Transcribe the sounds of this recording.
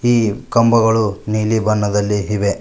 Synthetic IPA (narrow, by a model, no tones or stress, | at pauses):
iːkɐmbɐɡɐɭuniːlibɐnːɐd̪ɐlːiɦiʋe